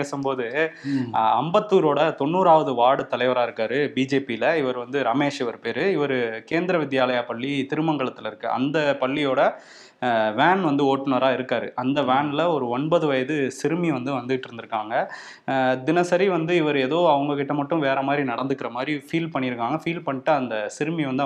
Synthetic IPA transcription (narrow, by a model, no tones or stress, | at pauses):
eːsɯmpoːðɯ | ɐmbɐt̪ːuːɾoːɽɐt̪ɔɳːuːɾaːʋɐðɯʋaːɽɯt̪ɐlɐɪʋɐɾaːɪɾɯkːaːɾɯbid͡ʒeːpilɐɪʋɐɾɯʋɐnd̪ɯɾɐmeːʂɪʋɐɾɯpeːɾɯɪʋɐɾɯkeːnd̪ɪɾɐʋɪd̪jaːlɐjaːpɐɭːit̪ɪɾɯmɐŋɡɐɭɐt̪ːɪlɪɾɯkːɯʔɐ̰nd̪ɐpɐɭːijoːɽɐ | ʋaːnʋɐnd̪ɯoːʈːɐnɐɾaːɪɾɯkːaːɾɯʔɐnd̪ɐʋaːnlɐɔɾɯɔɳbɐðɯʋɐjɐðɯsɪɾɯmiʋɐnd̪ɯʋɐnd̪ɯʈːɪɾɯnd̪ɪɾɯkːaːŋɡɐ | d̪ɪnɐsɐɾiʋɐnd̪ɯɪʋɐɾɯeːðoːɐʋɐŋɡɐkɪʈːɐmɐʈːɯ̃ʋeːɾɐmaːd̪ɾinɐɽɐnd̪ɯkːɪɾɐmaːd̪ɾifiːlpɐɳːɪɾɯkːaːŋɡɐfiːlpɐɳːɪʈːɐɐnd̪ɐsɪɾɯmiʋɐnd̪ɯ